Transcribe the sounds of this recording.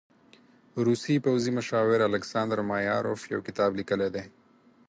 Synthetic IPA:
ɾusipawzimʊʃɑwɪɾalɪksɑːnd̪əɾmajɑ̰ɾofja̰wkɪt̪ɑːblikəled̪e

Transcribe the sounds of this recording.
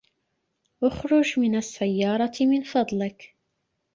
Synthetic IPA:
ʔʊxɾˤʊd͡ʒmɪnasːajːɑːɾˤɑmɪnfɑd̪ˤlɪk

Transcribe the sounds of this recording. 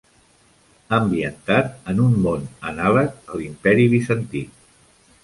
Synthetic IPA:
əmbiənt̪at̪ənummonənalək̚əlimpɛɾiβisənt̪i

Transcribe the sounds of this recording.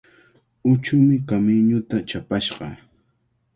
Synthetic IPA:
ʊt͡ʃʊmɪkamɪɲʊt̪at͡ʃapaʃɢɑ̰

